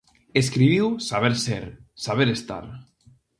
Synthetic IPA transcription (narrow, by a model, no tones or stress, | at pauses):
eskɾiβiwsaβeɾseɾsaβ̞eɾest̪a̰ɾ